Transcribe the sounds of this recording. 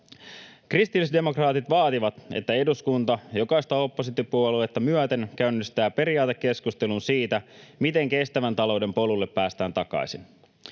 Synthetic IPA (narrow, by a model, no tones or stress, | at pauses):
krist̪ilsde̞mo̞krɑːt̪it̪ʋɑːt̪iʋɑt̪ḛt̪ːæe̞duskunt̪ɑjo̞kɑist̪ɑo̞pːo̞sit̪ːipuoluet̪ːɑmyœt̪e̞ŋkæynːist̪æːpe̞ɾiɑːt̪ekːe̞skust̪e̞lunsiːt̪æmit̪e̞ŋke̞st̪æʋænt̪ɑlo̞wde̞mpo̞lulːepːæːst̪æːnt̪ɑkɑ̰isin